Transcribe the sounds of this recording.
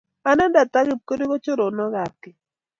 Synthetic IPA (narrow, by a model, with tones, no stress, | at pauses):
a˦nɛ˦nda˨t̪a˦ɣɪ˦˨p̚ko˦do˦ɣɔ˦t͡ʃo˦ɾo˨nɔ˦ɣa˨kɪ˨